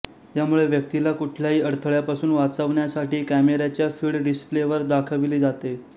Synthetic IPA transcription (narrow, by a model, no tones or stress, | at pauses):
jamuɭeʋjək̚t̪ilakuʈʰljaɦiːəɾt̪ʰəɭjapasuːnʋat͡səʋɳjasaʈiːkæmeɾat͡ɕjafiːɽɖɖispleʋəɾd̪akʰəʋiliːd͡zat̪e